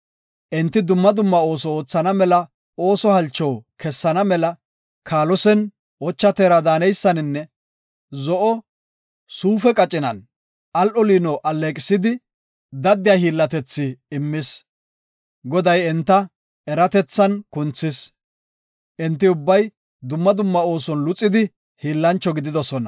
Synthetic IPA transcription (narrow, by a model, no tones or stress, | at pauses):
ʔɪnt̪ːɪd̪ʊmːɐd̪ʊmːɐo̞ːsɔoːt͡sːɐnɐmɛlɐ | o̞ːsɔhɐlt͡ʃːɔwkɛsːɐnɐmɛlɐ | kʰaːlɔsɛn | wɔt͡ʃːɐt̪eːɾɐd̪aːnɛjsːɐnɪnːɛ | zɔʔɔ | suːfɛkʼɐt͡ʃʼɪnɐ̰n | ʔɐlʔɔliːnɔʔɐlːeːkʼɪsɪd̪ɪ | d̪ɐd̪ːɪjaːhiːlːɐt̪ɛt͡sːɪːmːɪs | ɡɔd̪ɐjɛnt̪ːɐ | ɛɾɐt̪ɛt͡sːɐnkʊnt͡sːɪs | ʔɪnt̪̬ːɪʊbːɐj | d̪ʊmːɐd̪ʊmːɐo̞ːsɔnlʊt͡sʼːɪd̪ɪ | hiːlːɐnt͡ʃːɔɡɪd̪ɪd̪ɔsɔnɐ